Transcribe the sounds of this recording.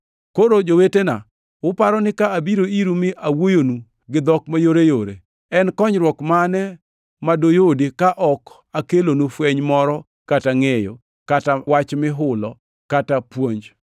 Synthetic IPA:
koɾod͡ʒowetena̰ | wʊpaɾɔnɪkaːbiɾoiɾumɪʔawojonu | ɡɪd̪ɔkmajoɾejoɾḛ | ɛnkɔɲɾwɔkmanɛ | madojodikaʔɔk | akelonufweɲmɔɾɔ | kataŋejo̰ | katawat͡ʃmɪɦʊlɔ | katapwoɲd͡ʒ

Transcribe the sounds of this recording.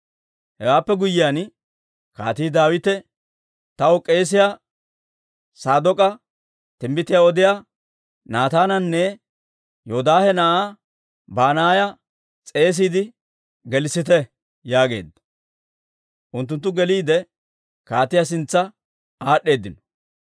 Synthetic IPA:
hɛwaːpːɛɡʊjːɪjaːn | ka̰ːt̪ɪːd̪aːwɪt̪ɛ | t̪ɐwɔkʼe̞ːs̬ɪjaː | saːd̪ɔkʼɐ | t̪ɪmbɪt̪ɪjaɔd̪ɪja | naːt̪aːnɐnːɛ | joːd̪aːhɛnɐʔa | baːnaːjɐ | t͡sʼe̞ːs̬iːd̪ɪ | ɡɛlɪsɪt̪ɛ | jaːɡe̞̰ːd̪ːɐ̥ | ʔʊnt̪ːʊnt̪̬ːʊɡɛliːd̪ɛ | kaːt̪ɪjas̬ɪnt͡sːɐ | aːɗːe̞ːd̪ːɪnɔ̥

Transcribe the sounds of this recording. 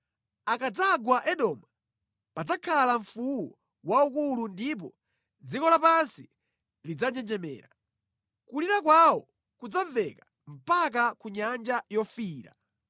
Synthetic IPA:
akad͡zaɡwaʔɛɗɔːma | pad͡zakʰalaɱfuwɔ | waukulundip̬ɔ | d͡zikɔlapansi | lid͡zaɲɛnd͡ʒɛmɛ̰ːɾa | kuliɾakwawɔ | kud͡zavɛka | m̩pak̬akuɲand͡ʒajɔfiːɾa̰

